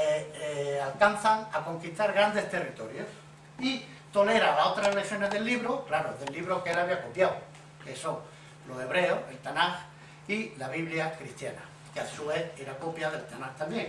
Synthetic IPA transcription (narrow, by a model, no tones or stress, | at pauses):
alkanθaŋako̞ŋkist̪aɾɣɾand̪e̞st̪e̞rit̪o̞ɾjos | i | t̪o̞le̞ɾalaot̪ɾasleθjo̞neðe̞lːiβ̞ɾoklaɾoðelːiβɾokeelaβiakopjaw | keso | lo̞e̞β̞ɾe̞oe̞lt̪anax | ilaβ̞iβljakɾist̪jana̰ | keasueθeɾakopjaðe̞lt̪anaht̪ambje̞ŋ